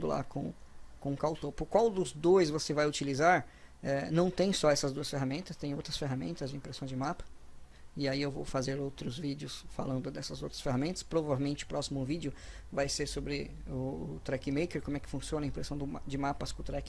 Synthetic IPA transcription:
d̪ʊla̰kõ̰kõʊkawt̪opʊɾkwawd̪ʊzd̪ojzvosevajʊt͡ʃilizaɾɛnɐ̃w̃t̪ẽj̃sɔɛsɐzd̪uɐsfeɦamẽnt̪ɐst̪ẽj̃owt̪ɾɐsfeɦamḛ̃nt̪ɐzd͡ʒɪĩpɾesɐ̃w̃d͡ʒɪmapɐ̥ | ɪaiewvowfazeɾowt̪ɾʊzvid͡ʒɪʊsfa̰lɐ̃nd̪ʊd̪ɛsɐzowt̪ɾɐsfeɦamẽnt̪ɐ̥spɾovavewmẽnt͡ʃɪʊ̥pɾɔsimʊũvid͡ʒɪʊvajseɾsobɾɪ | ʊːt̪ɾɛkɪmejkeɾkomʊɛkɪ̥fũsiõnɐĩpɾesɐ̃w̃d̪ʊd͡ʒɪmapɐskʊ̃t̪ɾɛkɪ

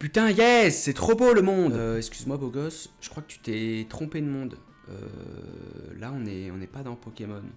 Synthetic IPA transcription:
pyt̪ɛ̃jɛsːɛt̪χoboləmɔ̃d̪ɛkskʲyzmwaboɡɔsʒ̥ə̥kχwakə̥t̪y̥t̪ɛt̪χɔ̃ped̪əmɔ̃d̪ | ø̰ | laɔ̃nɛɔ̃nɛpad̪ɑ̃pɔkʲemɔn

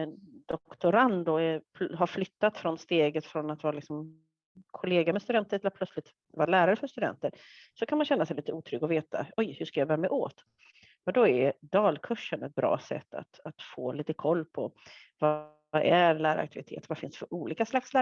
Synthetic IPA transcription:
d̪̥ɔkt̪ʊɾand̪ʊɛpʰɦaɾflʏt̪ːat̪fɾɔnst̪eːɡət̪fɾɔnat̪vɑːɾalɪksɔm | kʰɔleːɡamɛst̪ɵd̪ɛnt̪ʰːəɾɛlɾpʰlœt̪slɪt̪ | vɑːɾalæːɾaɾəfœɾʂt̪ɵd̪ɛ̰nt̪əɾ | sɔkʰanmanɕɛnːasɛjliːt̪əuːt̪ʰɾʏɡɔveːt̪ʰa̰ɔjhɵʂkajabœːɾamɛʔoːt̪ | mɛnd̪ɔɛɾd̪ɑːlkʰɵʂːənɛt̪̚bɾɑ̰ːsɛ̰t̪ːa̰t̪at̪foːliːt̪əkʰɔlːpʰɔ | va | ʔæɾlæːɾa̰k̚t̪ʰɪvɪt̪ʰḛːt̪əɾvafɪnsfœɾʔuːliːkaslakslæː

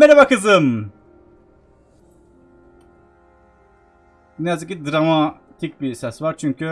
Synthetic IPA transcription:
mɛɾavakʰɯzɯm | nɛjazɯkcid̪ɾamat̪ʰicʲbisɛsvaɾt͡ʃʰyɲcʰy

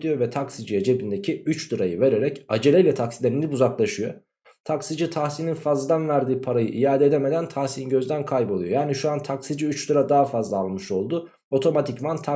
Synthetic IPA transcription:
d̪ijo̞vɛt̪ʰaksid͡ʒied͡ʒebind̪e̞cʰiyt͡ʃd̪ɯɾajɯve̞ɾe̞ɾɛcad͡ʒe̞lʲɛlʲɛt̪ʰaksilʲeɾinibuzaklˠaʃɯjo̰ | t̪ʰaksid͡ʒit̪ʰahsininfazlˠad̪anvæɾd̪iːpʰaɾajɯʔijaːd̪ed̪eme̞d̪ænt̪ʰahsinɟøzd̪ænkʰajbolˠujo̞jaːniʃuant̪ʰaksid͡ʒiyt͡ʃd̪ɯɾad̪aɦafazlˠaːlˠmɯʃo̞lˠd̪u | o̞t̪ʰo̞mat̪ʰicvant̪ʰa

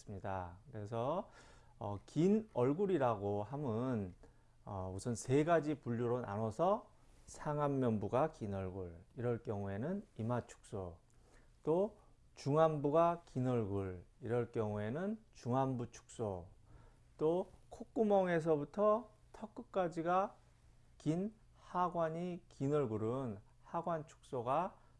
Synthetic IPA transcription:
s͈ɯmɲidakɯɾe̞s̬ʰʌ | ʌ̰kinʌɭɡuɾiɾaɡoɦamɯn | ʌusʰʌnse̞ɡad͡ʑipuʎːuɾona̰nʌsʰʌ | sʰaŋamːjʌnbuɡakinʌɭɡuɭiɾʌɭk͈jʌŋue̞nɯnimat͡ɕʰu̥k̚s͈o | t͈o | t͡ɕuŋambuɡakinʌɭɡuɭiɾʌɭk͈jʌŋue̞nɯnt͡ɕuŋambut͡ɕʰu̥k̚s͈o | t͈okʰok͈umʌŋe̞s̬ʰʌbutʰʌ | tʰʌk͈ɯk̚k͈ad͡ʑiɡa | kin | haɡwaɲikinʌɭɡuɾɯn | haɡwant͡ɕʰu̥k̚s͈oɡa

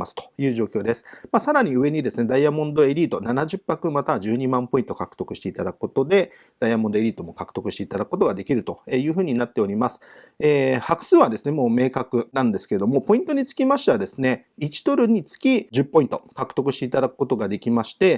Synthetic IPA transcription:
asɨ̥t̪o̥jɯ̟ːʑo̞ːkʲo̞ːd̪e̞sɨ̥maːsaɾaɲ̟iɯ̟βe̞ɲ̟id̪e̞sɨne̞d̪aiamõ̞nd̪o̞e̞ɾʲiːt̪o̞nanaʑɨpːakɯ̟mat̪aʑɨːɲ̟imãmpo̞ĩnt̪okakɯ̥t̪o̞kɯ̟ɕi̥t̪e̞it̪ad̪akɯ̟̥ko̞t̪o̞d̪e̞ | d̪̥aiamõ̞nd̪o̞e̞ɾʲiːt̪omo̞kakɯ̟̥t̪o̞kɯ̟ɕit̪eit̪ad̪akko̞t̪o̞ɡad̪e̞kʲiɾɯ̟t̪o̞eːjɯ̟ːɸɯ̟ːɲ̟inat̪ːe̞o̞ɾʲimasɨ̥ | eːhakɯ̥sɨːβad̪e̞sɨne̞mo̞ːme̞ːkakɯ̟nãnd̪e̞sɨ̥keed̪o̞mo̞po̞ĩnt̪o̞ɲ̟it͡sɨ̥kʲimaɕi̥t̪eβad̪e̞sɨne̞it͡ɕi̥t̪o̞ɾɯ̟ɲ̟it͡sɨ̥kʲiʑɨpːo̞ĩnt̪okakɯ̟̥t̪o̞kɯ̟ɕi̥t̪eit̪ad̪akɯ̥ko̞t̪oɡad̪e̞kʲimaɕi̥t̪e̞

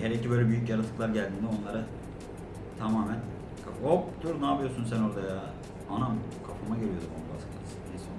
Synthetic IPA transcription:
hɛɾicʰibølʲɛbyjycjaɾat̪ʰɯ̥klˠaɾɟælʲd̪iːnd̪ɛo̞nlˠaɾa | t̪ʰamaːmæn | kʰafop̚d̪uɾnaːbijoɾsunsæno̞ɾd̪aja | anam | kʰafamaɟeɾijod̪umʰonba̰sɯ̥k̪asɯesi

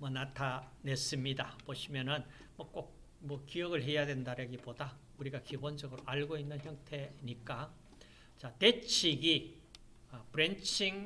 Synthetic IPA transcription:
mʌnatʰane̞s͈ɯmɲidapoɕʰimjʌnɯn | mʌk͈ok̚ | mʌkijʌɡɯɭɦe̞jadwe̞ndaɾeɡipoda | uɾiɡakibond͡ʑʌɡɯɾoʔaɭɡoinːɯnçjʌŋtʰe̞ɲik͈a | t͡ɕate̞t͡ɕʰiɡi | ʌpɯɾent͡ɕʰiŋ

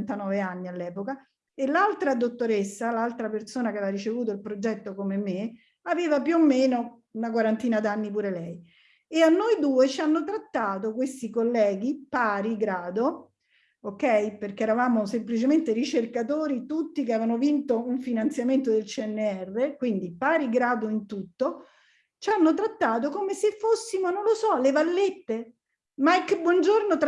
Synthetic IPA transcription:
nt̪anɔːveanːialːɛːpoka | elalt̪ɾad̪ot̪ːoɾesːalalt̪ɾapersoːnakɛɛvaɾit͡ʃevuːt̪̬oilpɾod͡ʒɛt̪ːokomemːe | aveːvapjuomːeːno | unak̬waɾant̪iːnad̪anːip̬uːɾelɛj | eanːojd̪uːet͡ʃianːot̪ɾat̪ːaːt̪okwest̪ikolːɛːɡipaːɾiɡɾaːd̪o | okːɛjperk̟eːɾavaːmosemplit͡ʃement̪eɾit͡ʃerkat̪oːɾit̪ut̪ːikeaːvanovint̪ouɱfinant̪sjament̪̬od̪elt͡ʃiɛnːeɛrːekwind̪ipaːɾiɡɾaːd̪oint̪ut̪ːo | t͡ʃanːot̪̬ɾat̪ːaːt̪okomesefːosːimonõnlosɔlevalːet̪ːe | makbwɔnd͡ʒornot̪

